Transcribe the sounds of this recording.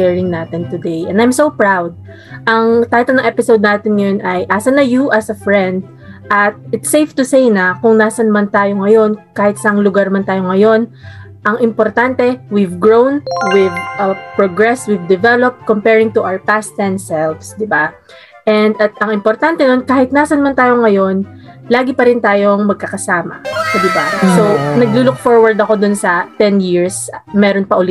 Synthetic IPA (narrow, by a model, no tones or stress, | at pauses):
ɛɹɪ̃ŋnat̪ɪnt̪ʊd̪ejʔɛ̃nd̪ajmsowpɹawd̪̚ | ʔɐŋt̪ajt̪ɛlnɐ̃ŋʔɛpɪsowd̪̚naːt̪ɪnŋɐjonʔɐjʔaːsɐnɐjuʔɐsɐfɹɛ̃nd̪̚ | ʔɐt̪̚ɪt̪sejft̪ʊsejnɐkʊŋnaːsɐnmɐnt̪aːjoŋɐjo̞nkaːhɪt̪sɐʔɐŋlʊɡaɹmɐnt̪aːjoŋɐjo̞n | ʔɐŋʔɪmpoɾt̪ant̪ɛwivɡɹõwnwɪd̪̚ɐpɹoɡɹɛswɪvd̪ɛvɛlop̚t̪̚kompɛɹɪŋt̪ʊʔawɐɹpast̪ɛnsɛlvsd̪ɪba | ʔɛnd̪ɐt̪̚ɐŋʔɪmpoɾt̪ant̪ɛno̞nkaːhɪt̪̚naːsɐnmɐnt̪aːjoŋɐjo̞n | laːɡɪpɐɾɪnt̪aːjo̞ŋmɐɡ̚kɐkɐsaːmɐ̰d̪ɪbasonɐɡ̚luːlʊk̚foɹwɐɹd̪ɐko̞d̪ʊnsɐt̪ɛnjiɹsmɛːɾonpɐʔʊlɪ